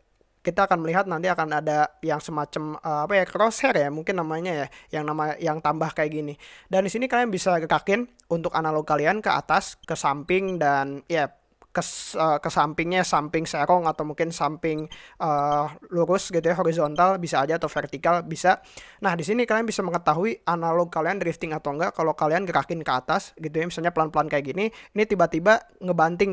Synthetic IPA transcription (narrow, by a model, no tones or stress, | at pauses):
kit̪aːkanməliɦat̪̚nant̪iakanadajaŋsəmat͡ʃaməapajakɾosɛrjamuŋkɪnːamaɲajajaŋnamajaŋt̪ambahkajaɡinidandisinikalijaŋbisaɡəɾakɪn | unt̪ʊkanaloɡkaliankəa̰t̪askəsampɪŋdanja | kəsəkəsampɪŋɲasampɪŋseɾɔŋat̪awmuŋkɪnsampɪŋʔəːluɾʊsɡit̪ujaɦoɾizont̪albisaːd͡ʒaːt̪awfɛrt̪ikalbisanahdisinikalianbisaməŋət̪aɦuiʔanalɔɡ̚kaliandɾift̪ɪŋat̪awŋɡaʔkalokalianɡəɾakɪnkəa̰t̪asɡit̪ujamisalɲapəlanpəlankajakɡininit̪ibat̪ibaŋəbant̪ɪŋ